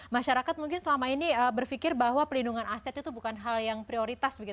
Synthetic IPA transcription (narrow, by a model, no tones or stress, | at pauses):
maʃaɾakat̪̚muŋkɪnsəlamainiəbərfikɪrbaɦwapəlinduŋanasɛt̪it̪ubukanɦaljaŋpɾioɾit̪asbəɡit̪